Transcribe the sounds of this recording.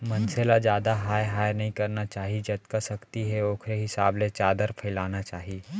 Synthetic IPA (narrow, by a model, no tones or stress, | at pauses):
mɐnselad͡ʒjaːd̪aɦaːjɦaːjnɐɦĩkɐɾnat͡ʃaːɦid͡ʒɐt̪kasɐkt̪iɦɛoːkʰɾeɦɪsaːblet͡ʃaːd̪əɾpʰɐɪlaːnat͡ʃaːɦiː